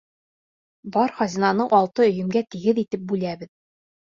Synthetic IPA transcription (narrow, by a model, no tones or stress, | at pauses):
bɒɾχɒzʲinɑnɤɴʔɒlˠt̪ɤɵ̆jɵ̆mɡæt̪iɡɘðit̪ɘp̚bʉlæbɘð